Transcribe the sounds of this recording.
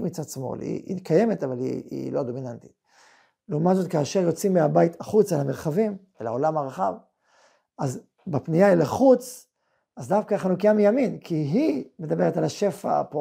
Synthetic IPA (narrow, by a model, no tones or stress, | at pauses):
mit͡sadsmo̰lhḭḭkaje̞met̪avalḭḭlo̞ad̪o̞minant̪i̥ | leumatzo̞t̪kaːʃe̞ʁjo̞t͡simːeabajit̪aχut͡saelameʁχavim | ela̰o̞lamhaʁaχav | az | bepnijailaχut͡s | azd̪afkaːχanukiamijaminkʰiɦime̞d̪abe̞ʁet̪alaʃe̞fa̰po